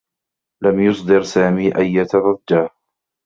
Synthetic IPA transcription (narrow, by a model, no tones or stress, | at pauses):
lamjʊsˤd̪ɨɾsaːmiːʔajːat̪aɾˤɑdːaːh